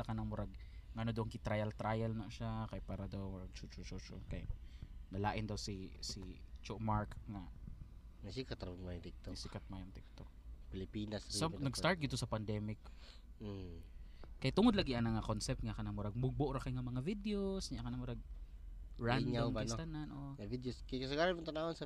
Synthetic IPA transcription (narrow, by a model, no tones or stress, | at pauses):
ɐkɐnɐŋmʊɾaɡ̚ŋɐʔɐnod̪ɐʔʊŋkɪt̪ɾajɐlt̪ɾajɐlnɐʃakɐjpaːɾɐd̪ɐwmʊɾaɡ̚t͡ʃut͡ʃot͡ʃot͡ʃo̰nkɐ̰jnɐlaːʔɪnd̪ɐwsisit͡ʃoʔmaɹkŋɐ | nɐsikɐt̪ɾmad̪it̪ːosikɐt̪̚majɐŋt̪ɛk̚t̪ok̚pɪlɪpiːnɐssanɐɡstaɹt̪̚ɡɪd̪osɐpɐnd̪ɛmɪk̩ | kɐjat̪ːʊŋod̪laɡɪʔɐŋnɐŋakonsɛp̚t̪̚ŋɐkɐnɐmʊɾɐɡ̚mʊɡ̚boʔɾɐkajŋɐmɐŋavɪd̪eosɲakɐnɐmʊɾɐɡ̚ | ɹanɲdaamkɐnst̪ananʔoŋɐvid̪joskɐjkɐsɐɡaɾaʊt̪ɐnahonsɐ